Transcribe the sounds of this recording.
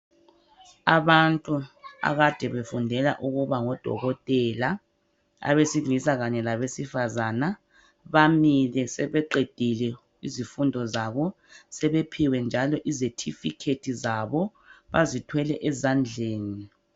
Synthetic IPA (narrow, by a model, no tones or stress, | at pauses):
aβantʼua̰ɣad̥ʱɛβefundʱɛla̰ʔuɣuβaŋɔd̥ʱɔ̰ɣɔtʼɛla | a̰βesilisaɣaɲɛlaβesifazana | βamilɛsɛβɛǃed̥ʱilɛ | izifundʱɔzaβɔ | sɛβepʰiwɛnd͡ʒʱalɔʔizetʰifikʰetʰizaβɔ | βazitʰwɛlɛʔɛzand͡ɮʱeːni